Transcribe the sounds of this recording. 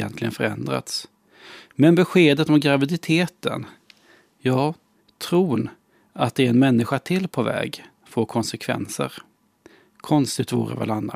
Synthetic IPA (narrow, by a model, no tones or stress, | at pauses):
ɛnt̪lɪɡənfœɾɛ̰nd̪ɾa̰t̪s | mɛnbɛɧeːd̪ət̪ɔmɡɾavɪd̪ɪt̪ʰeːt̪ə̰n | jɑː | t̪ʰɾuːn | at̪̚d̪ɛːɾɛnmɛnːɪɧat̪ʰɪlːpʰɔvɛ̰ːɡ | foːɾkʰɔnsɛkʰvɛ̰nsə̰ɾ | kʰɔnst̪ɪt̪vuːɾə̰vɛ̰ːlanːa